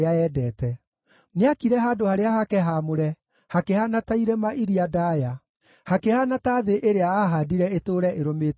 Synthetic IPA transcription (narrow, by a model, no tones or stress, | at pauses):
aɛːdɛːtɛ | neakiɾɛɦaːdohaɾeaɦakɛɦamoɾɛ | hakehanataiɾɛmaʔiɾiadaːja | hakehanataðeʔeɾeaaɦadiɾɛetoɾɛʔeɾomeːt